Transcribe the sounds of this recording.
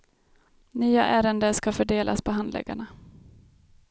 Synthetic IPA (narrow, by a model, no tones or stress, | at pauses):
nyːa̰ʔæːɾənd̪əʂkafœɖeːlʔa̰spʰɔɦand̪lɛ̰ɡa̰ɳa